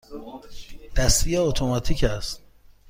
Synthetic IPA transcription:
d̪̥æst̪ʰijeot̪ʰomɑt̪ʰiːcʰæst̪̚

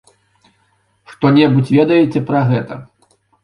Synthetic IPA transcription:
ʂt̪ɔnʲɛbut͡sʲvʲɛd̪ɐjɛt͡sʲɛpɾɐɣɛt̪ɐ

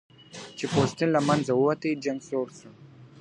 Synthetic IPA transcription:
t͡ʃepost̪inlamanzawəwat̪əjd͡ʒaŋɡsoːɾsu

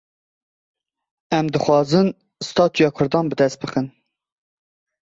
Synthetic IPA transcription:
ɛmd̪ɨxwɑːzɨn | st̪ʰɑːt̪ʰujɑːkʰʊɾd̪ɑːnbɨd̪ɛst̪̚bɨxɨn

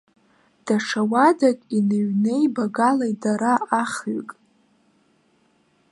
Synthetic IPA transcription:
d̥aʂʰawadakʼineɥnejbaɡalajdaɾaaχɥkʼ

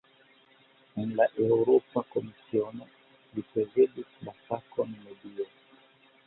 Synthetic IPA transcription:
nlaʔɛuɾɔpakɔmisiɔnɛ | lipɛzɛɗiklasakɔnimɛdiɔ

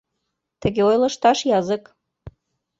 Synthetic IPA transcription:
t̪ə̆ɡʲeojlˠɤ̆ʃt̪ɑʃjɑzə̆k

